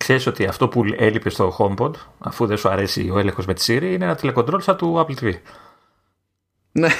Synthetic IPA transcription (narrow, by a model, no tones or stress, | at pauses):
kse̞ɾiso̞t̪iɐft̪o̞puelipe̞st̪o̞xo̞mbo̞d̪ɐ̰fuðesuɐɾe̞sḭo̞e̞le̞ŋxo̞zme̞t̪i̥siɾiinenɐt̪ile̞kond̪ɾo̞lsɐt̪uɐplt̪ivi | ne